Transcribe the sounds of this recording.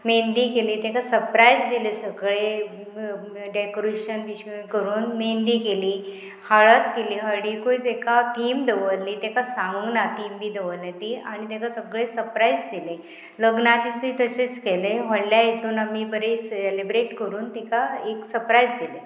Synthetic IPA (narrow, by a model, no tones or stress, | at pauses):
mend̪iːkeliːt̪ekasəɾpɾaid͡zd̪ilesəɡɭe | ɖekoɾiɕənʋiɕkəɾuːnmend̪iːkeliː | haɭət̪keliːɦəɽikoit̪ekat̪ʰiːmd̪eʋəllit̪ekasãŋɡəŋɡnat̪iːmbʱiːd̪eʋəlet̪iaɽ̃it̪ekasəɡɭesəɾpɾaid͡zd̪ile | ləɡnad̪isit̪əɕet͡skeleɦɔɽljajet̪uːnamibəɾeselebɾeʈkəɾuːnt̪ikaeksəɾpɾaid͡zd̪ile